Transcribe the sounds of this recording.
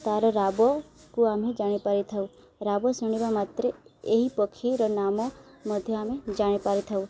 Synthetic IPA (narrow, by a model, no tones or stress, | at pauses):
t̪aɾɔɾabɔkuamed͡ʒaɽ̃ipaɾit̪ʰaũ | ɾabɔsuɳ̃iʋamat̪ɾeeɦipəkʰiɾɔnamɔ | məd̪ʱjɔamed͡ʒaɽ̃ipaɾit̪ʰaũ